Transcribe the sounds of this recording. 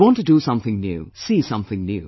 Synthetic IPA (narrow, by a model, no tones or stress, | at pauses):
wɔ̃ntɨdəsʌ̃mθɪ̃ŋnjʉ̰ːsiːsʌ̃mθɪ̃ŋnjṵː